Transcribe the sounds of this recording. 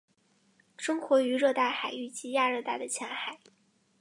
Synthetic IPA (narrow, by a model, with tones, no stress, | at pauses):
ʂɤ˥ŋxwɔ˧˥y˧˥ɻɤ˥˧t̪a˥˩ɪxa˨˩ɪy˥˩t͡ɕi˥ja˥˧ɻɤ˥˧t̪a˥˩ɪd̪ə˩t͡ɕʰjɑ˧˥ŋxa˨˩˦ɪ